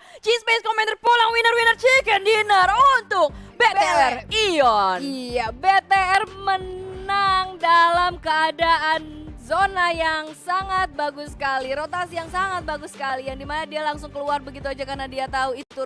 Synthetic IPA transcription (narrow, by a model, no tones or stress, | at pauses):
t͡ʃisbeskomɛnd̪ərpulaŋwinərwinərt͡ʃikɛndinərunt̪ʊk̚betb̪eɛriɔnijabet̪eɛrmənaŋdalamkəadaʔanzonajaŋsaŋat̪̚baɡʊsə̥kaliɾot̪asijaŋsaŋat̪̚baɡʊsːə̥kalijaŋdimanadialaŋsʊŋkəluarbəɡit̪uad͡ʒakarnadiat̪auit̪u